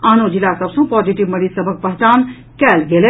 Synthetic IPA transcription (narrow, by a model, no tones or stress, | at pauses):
aːnoːd͡ʒilaːsɐbsũːpɔːziʈiʋmɐɽiːzsɐbʱək̚pɐɦt͡ʃaːn | kɛːlɡele